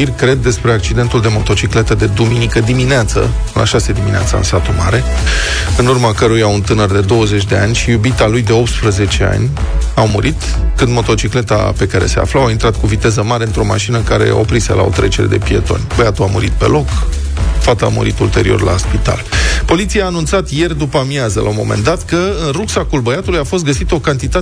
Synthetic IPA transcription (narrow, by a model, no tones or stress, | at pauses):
irʲkɾe̞d̪̚ːe̞spɾe̞ak̚t͡ʃid̪e̞nt̪uld̪e̞mo̞t̪o̞t͡ʃikle̞t̪əd̪e̞d̪uminikəd̪imineat̪sə̰ | ɨlʔa̰ʃased̪iminea̰t̪sa̰ɨ̰nsat̪umaɾe̞ | ɨnurmakəɾujaunt̪ɨnərd̪e̞d̪o̞wəze̞t͡ʃʲd̪e̞anʲʃijubit̪alujd̪e̞o̞pt̪spɾəze̞t͡ʃe̞a̰nʲawmuɾʔit̪ | kɨnd̪mo̞t̪o̞t͡ʃikle̞t̪a̰pe̞kaɾe̞̰se̞a̰flawaint̪ɾat̪kuvit̪e̞zəmaɾeɨnt̪ɾo̞maʃinəkaɾe̞̰a̰opɾisə̰lʔa̰o̰t̪ɾet͡ʃeɾed̪e̞̰pie̞̰t̪o̞̰nʲbəjat̪uamuɾit̪̚pe̞̰lo̞k | fat̪əa̰mṵɾit̪ult̪e̞ɾḭo̞rla̰spit̪a̰lpo̞lit̪sijaːnunt̪sat̪je̞rd̪upəmiazəlʔa̰wmo̞̰me̞̰nd̪at̪kəɨnruksakulbəjat̪ulujafost̪ɡəsit̪əo̞kant̪it̪a